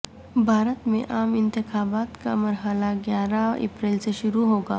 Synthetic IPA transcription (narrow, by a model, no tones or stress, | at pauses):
bʱaːɾət̪mḛ̃ʔaːmɪ̃nt̪ɪxaːbaːt̪ka̰mɐɾɦəlaɡjaːɾaḛːpɾɛːlseʃʊɾuɦoːɡaː